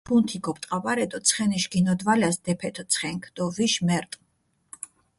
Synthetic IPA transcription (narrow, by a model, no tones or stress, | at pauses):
punt̪ʰiɡɔpʼt̪ʼqʼavʼaɾɛt̪ʼɔt̪sʰχɛniʃɡinɔd̪valasd̪ɛpʰɛt̪ʰɔt̪sʰχɛŋkʰd̪̥ʼɔviʃmɛɾt̪ʼ